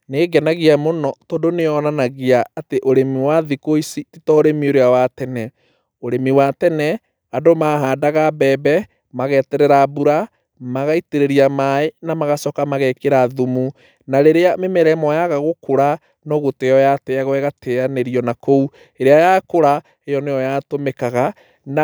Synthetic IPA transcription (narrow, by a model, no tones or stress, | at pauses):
neːɡɛnaɣiamonɔtoːdoneɔnanaɣeaːteʔoɾemiwaðikoisititɔɾemioɾeawatɛnɛ | oɾemiwatɛnɛ | adomaɦaːdaɣabɛbɛ | maɣɛtɛɾɛɾabuɾa | maɣaiteɾeɾiamaenamaɣasɔkamaɣɛkeɾaðumu | naɾeɾeamemɛɾɛmɔjaɣaɣokoɾa | nɔɣoteɔjatɛaɣwɛɣateaneɾiɔnakou | eɾeajakoɾa | ejɔnejɔjatomɛkaɣa | n